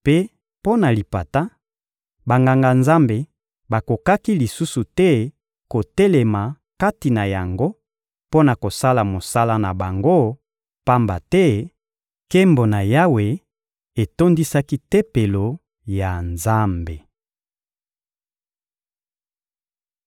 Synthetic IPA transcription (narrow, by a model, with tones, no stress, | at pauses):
pe˦ | po˦na˨li˨pa˨ta˦ | ba˨ŋɡa˨ŋɡa˨nza˦mbe˨ | ba˨ko˨ka˦ki˦li˨su˦su˨tɛ˦ | ko˨te˦le˨ma˨ | ka˦ti˨na˨ja˨ŋɡo˦ | po˦na˨ko˨sa˦la˨mo˨sa˦la˦na˨ba˨ŋɡo˦ | pa˦mba˨tɛ˦ | ke˦mbo˨na˨ja˦we˨ | e˨to˦ndi˦sa˦ki˦te˦pe˨lo˨ | ja˨nza˦mbe˨